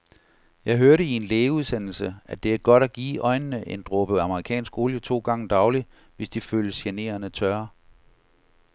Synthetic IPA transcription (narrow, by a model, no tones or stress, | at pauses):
jɑ̈ɪɦøɐɾəie̝nleːuð̞ˠsen̰l̩səæd̥e̝æɐɡ̥ɒ̽ɾ̥æɡ̥ḭːʔɒ̽ɪnnəʔe̝nd̥ʁɔ̽b̥əɑ̈məʁikʰɛ̰ːnsɡ̥o̝ːljət͡sʰo̝̰ːɡ̥ɑ̈ŋ̰d̥ɑ̈ʊli̥ | ʋe̝sd̥iføləsɕene̝̰ːɐnət͡sʰɶɐ